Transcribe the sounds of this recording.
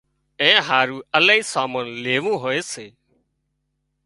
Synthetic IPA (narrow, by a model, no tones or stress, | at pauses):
ẽːɦaːɾũːəlaːiːsaːmənleːʋũːɦoːeːseː